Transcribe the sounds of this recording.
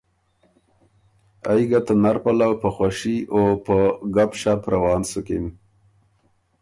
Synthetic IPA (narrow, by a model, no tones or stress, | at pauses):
ajɡat̪ənaɾpalawpəxwaʃiopəɡapʃapɾawɑːnsukim